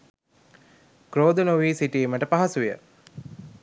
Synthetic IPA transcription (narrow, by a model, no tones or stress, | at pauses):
kɾoːd̪ənuʋiːsiʈieməʈəpaɦasuʋijə̰